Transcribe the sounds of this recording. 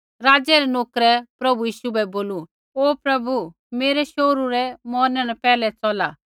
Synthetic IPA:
ɾaːd͡ʒɛɾɛnoːkɾɛpɾɐbujiːʃubɛboːlu | oːpɾɐbu | meːɾɛʃoɾuɾɛmɔːnɛnɛpɛːlɛt͡sɔla̰

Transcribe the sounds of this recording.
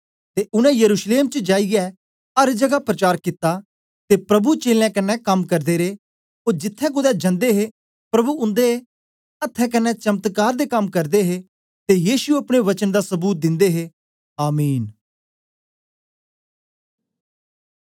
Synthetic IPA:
t̪eːʔʊnɛ̃jəɾuːʃleːmt͡ʃəd͡ʒaːiɛ | ɐɾd͡ʒəɡapɾət͡ʃaːɾkɪt̪ːaː | t̪eːpɾɐbut͡ʃeːlɛ̃ːkɐnːɛkɐmkəɾd̪eːɾeː | oːd͡ʒɪt̪ʰːɛ̃k̬ʊd̪ɛːd͡ʒə̃nd̪eɦe | pɾɐbuʊ̃nd̪e | ɐt̪ʰːɛ̃k̬ɐnːɛt͡ʃəmt̪kaːɾd̪eːkɐmkɐɾd̪eɦeː | t̪ejiːsuɐpɽ̃eʋət͡ʃənd̪aːsəbuːt̪̚d̪ɪ̃nd̪eːɦeː | aːmiːn

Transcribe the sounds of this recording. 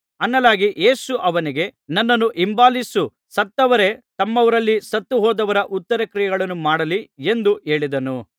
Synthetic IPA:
ɐnːɐlaːɡiʔe̞ːsuʔɐʋɐniɡe̞nɐnːɐnːuʔimbaːlisu | sɐt̪ːɐʋɐɾe̞t̪ɐmːɐʋɐɾɐlːisɐt̪ːuɦɔːd̪ɐʋɐɾɐʔut̪ːɐɾɐkɾijɐɡɐɭɐnːumaːɽɐlie̞nd̪ue̞ːɭid̪ɐnu

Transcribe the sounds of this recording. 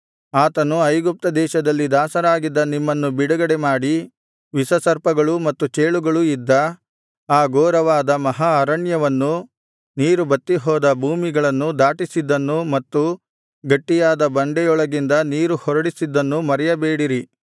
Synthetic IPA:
aːt̪ɐnuɐjɡup̚t̪ɐd̪ɛːʃɐd̪ɐlːid̪aːsɐɾaːɡid̪ːɐnimːɐnːubiɽuɡɐɽemaːɽi | ʋisɐsɐɾpɐɡɐɭumɐt̪ːut͡ʃeːɭuɡɐɭuid̪ːɐ | aːɡoːɾɐʋaːd̪ɐmɐɦaɐɾɐɳjɐʋɐnːu | niːɾubɐt̪ːiɦɔːd̪ɐbʱuːmiɡɐɭɐnːud̪aːʈisid̪ːɐnːumɐt̪ːu | ɡɐʈːijaːd̪ɐbɐɳɖɛjɔɭɐɡind̪ɐniːɾuhɔɾɐɽisid̪ːɐnːumɐɾɛjɐbeːɽiɾi

